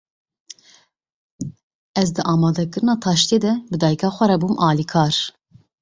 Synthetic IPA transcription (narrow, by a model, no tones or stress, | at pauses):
ɛzd̪ɨʔɑːmɑːd̪ɛkɨɾɨnɑːt̪ʰɑːʃt̪eːd̪ɛbɨd̪ɑːjikʰɑːxʷɛɾɛbuːmʔɑːliːkʰɑːɾ